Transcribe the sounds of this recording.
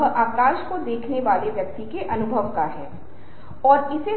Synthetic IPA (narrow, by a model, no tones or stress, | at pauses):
aːkaːʃkod̪eːkʰneʋaːleʋjɐk̚t̪ikeʔɐnʊbʱəʋkaɦɛː | ɔːɾɪse